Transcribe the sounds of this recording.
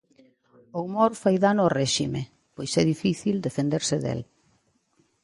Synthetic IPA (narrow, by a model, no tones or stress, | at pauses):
oumoɾfajðanʊɔreʃime | pojsɛðifiθild̪efend̪eɾsɪðḛl